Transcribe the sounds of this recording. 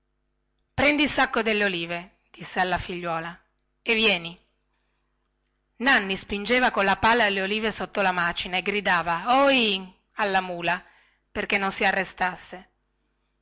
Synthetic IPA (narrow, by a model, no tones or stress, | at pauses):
pɾɛnd̪isakːod̪elːeoliːve | d̪̥isːealːafiʎːwɔːla | evjɛːni | nanːispind͡ʒeːvakonlapalːalːeoliːvesot̪ːolamaːt͡ʃinaeɡɾid̪aːvaoi | alːamuːla | perkenːonsiarːest̪asːe